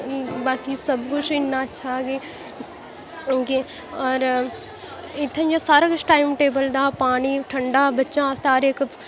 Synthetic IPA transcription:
baːkisɐbkʊt͡ʃʰɪnːaɐtːʃʰaɡeː | ke | ɔːɾ | ɪt̪ʰːẽd͡ʒasaːɾakʊt͡ʃʰʈaːɪmʈeːbəld̪aːpaːɽ̃iʈʰɐɳɖaːbɐtːʃãst̪aːɾeːk

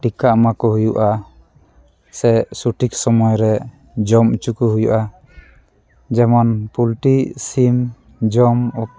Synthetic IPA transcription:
ʈikamakɔɦujuʔa | sɛsuʈiksɔmɔjɾɛ | d͡ʒɔmut͡ʃukuɦujṵʔa | d͡ʒɛmɔnpulʈisim | d͡ʒɔmɔ

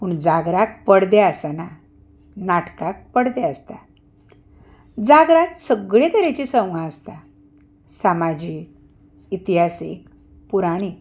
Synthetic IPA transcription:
puːɳd͡zaɡɾak̚pəɽd̪eəsana | naʈkak̚pəɽd̪eəst̪a̰ | d͡zaɡɾat̪səɡɭẽt̪əɾet͡ɕisə̃w̃ɡãəst̪a | samad͡ʑiːk | it̪iɦasḭk | puɾaɽ̃i

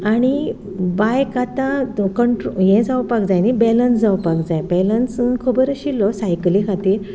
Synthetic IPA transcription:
aɽ̃i | bajkat̪ãkəɳʈɾoɦɛ̃d͡zawpakd͡zajnibɛlənsd͡zawpakd͡zajbɛlənskʰəbəɾəɕilːɔsajklikʰat̪iːɾ

